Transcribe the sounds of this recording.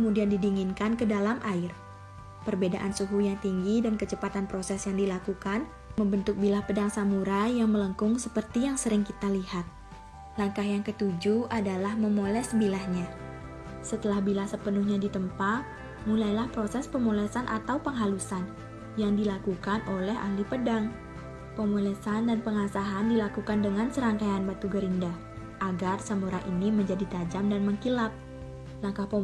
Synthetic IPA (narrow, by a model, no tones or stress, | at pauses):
kəmudiandidiŋinkankədalamʔaɪr | pərbedaʔansuɦujaŋt̪iŋɡidankət͡ʃəpat̪anpɾosɛsjaŋdilakukan | məmbənt̪ʊk̚bilahpədaŋsamuɾajaŋmələŋkʊŋsəpərt̪ijaŋsəɾɪŋkit̪alihat̪̚ | laŋkahjaŋkət̪ud͡ʒuadalahməmolɛsbilahɲa | sət̪əlahbilasəpənuhɲadit̪əmpat | mulajlahpɾosɛspəmolɛsanʔa̰t̪awpəŋɦalusan | jaŋdilakukanʔolɛɦa̰ɦlipədaŋ | pəmolɛsandanpəŋasaɦandilakukandəŋansəɾaŋkajanbat̪uɡəɾinda | ʔaɡarsamuɾaʔiniməɲd͡ʒadit̪ad͡ʒamdanməŋkilap̚ | laŋkahpə